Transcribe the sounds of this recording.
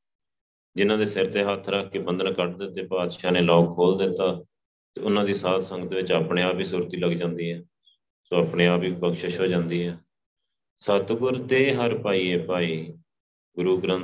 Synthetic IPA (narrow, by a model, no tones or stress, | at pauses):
d͡ʒɪnãːd̪eːsɪɾt̪eːɦət̪ʰɾəkʰːkeːbənd̪ənkəʈd̪ɪt̪ːeːpaːd̪ʃaːneːlɔːkʰoːld̪ɪt̪ːaː | t̪eːʊnãːd̪iːsaːt̪səŋɡət̪ːeʋɪt͡ʃaːpɳẽːaːpiːsuːɾt̪iːləɡd͡ʒãːnd̪iːɦɛː | soːaːpɳeːaːpiːpəkʃəʃɦoːd͡ʒãːnd̪iːɦɛː | sət̪kʊɾd̪eːɦəɾpaːiːeːpaːiː | ɡʊɾuːɡɾə̃n